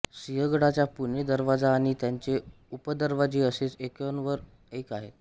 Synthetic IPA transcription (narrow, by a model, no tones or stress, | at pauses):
siɦəɡɽat͡ɕjapuɳed̪əɾʋad͡zaːɽ̃it̪jaɲt͡ɕe | upəd̪əɾʋad͡ʑeːəset͡sekjonʋəɾ | ekaɦet̪